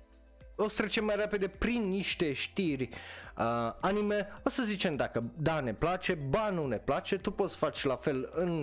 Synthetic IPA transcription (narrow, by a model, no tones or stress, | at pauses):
o̞st̪ɾe̞t͡ʃe̞mːajrepe̞d̪e̞pɾinːiʃt̪e̞ʃt̪irʲəanime̞o̞səzit͡ʃe̞md̪akəd̪ane̞plat͡ʃe̞banune̞plat͡ʃe̞t̪upo̞t̪sfat͡ʃʲlafe̞lɨn